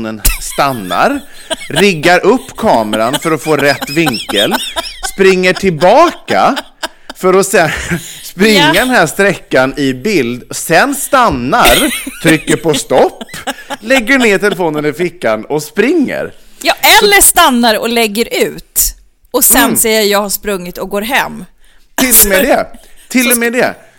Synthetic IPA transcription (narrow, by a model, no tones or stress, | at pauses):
nənst̪anːa̰ɾ | ɾɪɡːaɾʔɵpːkʰɑːməɾanfœɾɔfoːɾɛt̪ːvɪŋkːəlspɾɪŋːəʈʰɪlbɑːka̰ | fœɾɔsɛspɾɪŋːad̪ɛnɦæːʂt̪ɾɛkːanɪbɪld̪sɛnst̪anːaɾt̪ʰɾʏkːəɾpʰɔst̪ɔpːlɛɡːəɳeːt̪ʰɛlɛfoːnənɪfɪkːanɔspɾɪŋːə̰ɾjɑːʔɛlːəʂt̪anːaɾɔ̰lɛɡːəɾʔʉ̟ːt̪ | ɔsɛnsɛjːəjɑːɡhaʂpɾɵŋːɪt̪ɔɡoːɾɦɛmː | t̪ʰɪlːɔmɛd̪ɛt̪ʰɪlːɔmɛːd̪ɛ